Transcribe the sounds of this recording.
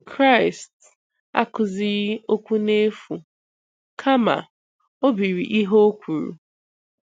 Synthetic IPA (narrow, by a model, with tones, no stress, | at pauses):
kʰɾa˦ɪ˨st | a̰˦kʊ˨zɪ˦o˦kʷu˦ne˦fu˨ | kʰa˦ma̰˨ | o˦bi˨ɾi˨ʔi˦ɦo˦o˦kʷu˨ɾṵ˨